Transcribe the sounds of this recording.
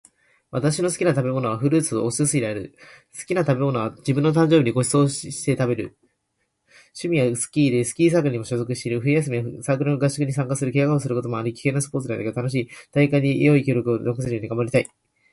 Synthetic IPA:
βat̪aɕino̞sɨ̥kʲinat̪abe̞mo̞no̞β̞aɸɯ̟ɾɯ̟ːt͡sɨ̰osɨs̬ɨiɾeaɾɯ̟̰ | sɨ̥kʲinat̪abe̞mo̞no̞βad͡ʑibɯ̟̃nːo̞t̪ãɲ̟d͡ʑobiɲiɡo̞ɕi̥so̞ːɕi̥t̪e̞t̪abe̞ɾɯ̟ | ɕɨmʲijasɨ̥kʲiːd̪esɨ̥kʲiːs̬aːkɯɾɲ̟imo̞ɕo̞zo̞kɯ̟ɕi̥t̪eiɾɯ̟ɸɯ̟ijas̬ɨmʲiasakɯ̟ɾonoɡaɕi̥kɯ̟ɲ̟isãŋkasɨɾɯ̟kʲeakaos̬ɨɾɯ̟ko̞t̪o̞moaɾɯ̟kʲi̥kẽ̞nːasɨ̥po̞ːt͡sɨɾad̪ekt̪ano̞ɕ̬iːt̪aikaɲ̟ijo̞ikʲo̞ːɾo̞kɯo̞nokɯ̟sɨɾɯjo̞ːɲ̟iɡamaɾʲit̪ai

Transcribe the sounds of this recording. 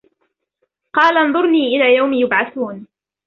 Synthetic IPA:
qɑːlanðˤʊɾˤniːʔɪlaːjawmjʊbʕaθuːn

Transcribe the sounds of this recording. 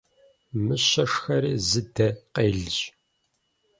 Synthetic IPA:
mɨɕɐʂxɐɾiːzɨdɐqeːɮɨʑ

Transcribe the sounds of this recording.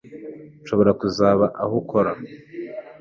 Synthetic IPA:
nʃoβo̞ɾakuzaːβaʔahukʰoɾa

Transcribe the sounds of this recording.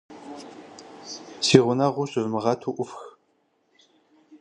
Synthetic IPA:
siːʁʷʊnɐʁʷʊɕʼɪvmɨʁɐtʰuːʔʷʊfx

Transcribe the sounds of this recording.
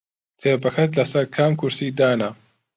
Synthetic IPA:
t̪ʰeːbɐkʰɐt̪lɐsɐɾkʰaːmkʰʊɾsiːd̪aːnɐ

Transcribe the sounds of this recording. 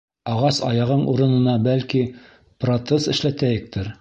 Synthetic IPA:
ɑʁɑsɑjɑʁɤɴʔuɾɤ̆nɤ̆nɑbælki | prot̪sesɘ̆ʃlæt̪æjɘ̆k̚t̪ʰɘɾ

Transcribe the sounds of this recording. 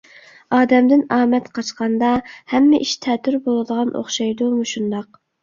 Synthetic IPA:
ɑːd̪ɛmd̪ɪnɑːmɛt̪qʰɑt͡ʃqɑnd̪ɑhɛmːɪʔiʃt̪ʰɛːt̪ʰyɾbolˠɨd̪əʁɑnʔo̰χʃɑjd̪umuʃund̪ɑq

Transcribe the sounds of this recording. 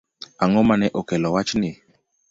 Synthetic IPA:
aŋɔmanɛʔokɛlɔwat͡ʃnɪ

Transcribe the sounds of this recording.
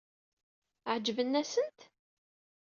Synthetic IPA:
ʕd͡ʒəvənːæsənt̪

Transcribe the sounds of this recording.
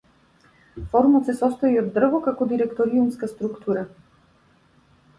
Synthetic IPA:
fɔɾumɔt̪sɛsɔst̪ɔiɔd̪ːr̩vɔkakɔd̪iɾɛkt̪ɔɾiumskast̪ɾukt̪ʰuɾa

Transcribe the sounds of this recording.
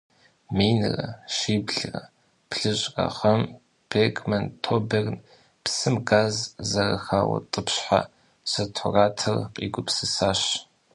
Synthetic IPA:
miːnɨrɐʃiːbɮɨrɐ | pʰɬɨɕʼrɐ̰χɐm | pʰekʰʼmɐntʰoːbern | psɨmɡaːzzɐrɐxaːwɐ̰tʼɨpɕħa̰ | sɐtʰʊraːtʰɐrqʼḭːɡʷʊpsɨsaːɕ

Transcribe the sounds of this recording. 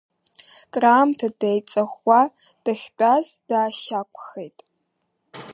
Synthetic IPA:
kʼraːmtʰɐdejt͡sʼɐxʷːa | d̥ɐxʲdʷʼazd̥aːʃaːkʷʰʼʊxejtʼ

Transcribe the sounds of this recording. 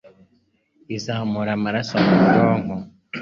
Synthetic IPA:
izaːmuɾamaɾasamudoːŋɡo

